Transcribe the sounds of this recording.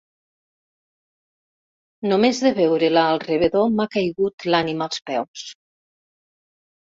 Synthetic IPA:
nomezðeβewɾelaːlˠreβeðomakajɣut̪lanimalˠspɛws

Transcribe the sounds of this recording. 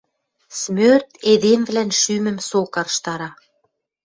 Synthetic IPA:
smørt̪ed̪emvlænʃymə̆msokɑɾʃt̪ɑɾɑ

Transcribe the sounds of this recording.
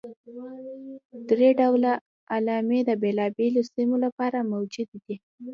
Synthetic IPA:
d̪ɾeɖawla | alɑmed̪əbelɑbelosimolapɑɾamawd͡ʒud̪d̪i

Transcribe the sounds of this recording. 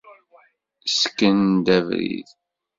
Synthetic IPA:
səkːənd̪ævɾḭð

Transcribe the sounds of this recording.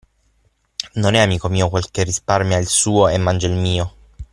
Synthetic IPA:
nonɛamiːkomiːokwelkerːisparmjailsuːoemːand͡ʒailmiːo

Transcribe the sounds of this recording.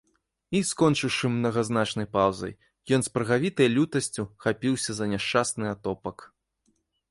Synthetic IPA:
iskɔnt͡ʂɨwʂɨmːnɐɣɐznat͡ʂnɐjpawzɐ̰j | jɔnspɾɐɣavʲit̪ɐjlʲut̪ɐsʲt͡sʲuxapʲiwsʲɐzɐnʲɛʂt͡ʂasnɨat̪ɔpɐk

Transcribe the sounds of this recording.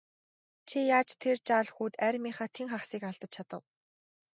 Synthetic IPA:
t͡ɕʰijaːt͡ɕt̪ʰert͡ɕaːɮxuːt̪æɾʲmiχaːt̪ʰeŋχaχsiːkaɮt̪ə̆t͡ɕ̚t͡ɕʰat̪ə̆w

